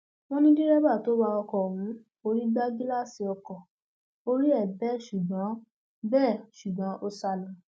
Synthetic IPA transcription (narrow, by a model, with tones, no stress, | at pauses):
w̃ɔ̃˦nĩ˦dĩ˦ɾɛ˦ba˦˨to˨˦wa˧ɔ˧kɔ˨wũ˨˦ | o˧ɾi˦ɡ͡ba˦ɡi˦la˦si˧ɔ˧kɔ˨ | o˧ɾi˦ɛ˦˨bɛ˦˨ʃu˨ɡ͡bã˨˦ | bɛː˦˨ʃu˨ɡ͡bã˨˦ʔo˦sa˧lɔ̃˨